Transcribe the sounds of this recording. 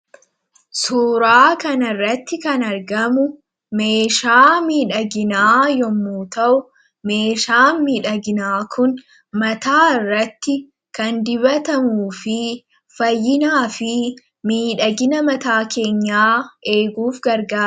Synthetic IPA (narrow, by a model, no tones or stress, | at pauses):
suːɾaːkɐnɐrːɐt̪ːɪkɐnɐɾɡɐmʊ | me̞ːʃaːmiːᶑɐɡɪnaːjɔmːuːt̪ɐʔʊ | me̞ːʃaːmiːᶑɐɡɪnaːkʰʊn | mɐt̪aːɪrːɐt̪ːɪ | kɐnd̪ɪβɐt̪ɐmuːfɪ | fɐjːɪnaːfɪ | miːᶑɐɡɪnɐmɐt̪aːkʰe̞ːɲːaːʔe̞ːɡuːfɡɐɾɡaː